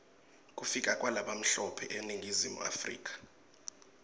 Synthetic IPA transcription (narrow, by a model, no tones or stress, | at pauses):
kʼufikʼakʼwalaɓam̩ɬɔpʰɛʔeniŋɡʱizimṵa̰frḭːk̬ʼḁ